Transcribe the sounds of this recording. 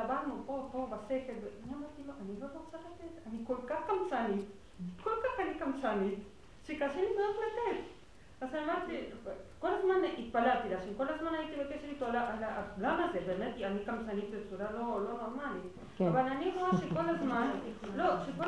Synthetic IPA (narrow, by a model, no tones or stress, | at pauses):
abaɾnupopobasekebeniamaɾt̪iloʔanivazosakat̪et̪anikolkaxkamt͡sanit̪ | kolkaxanikamsanit̪ | ʃekaʃinimeatlet̪et̪ | asanamaɾt̪ikolazmaneʔit̪̚palat̪ilaʃenkolazmanait̪iβekeʃeɾit̪oalaʔalaɡamazebemet̪ianikamt͡sanit̪bet͡suɾalolonoɾmali | aβalaniɾoaʃekolazmanloʃeko